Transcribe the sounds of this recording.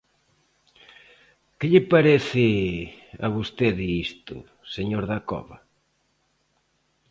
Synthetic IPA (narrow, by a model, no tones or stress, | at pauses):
kɪʎɪpaɾeθɪ | a̰βost̪eðɪist̪ʊ̰ | seɲoɾðakɔ̰βɐ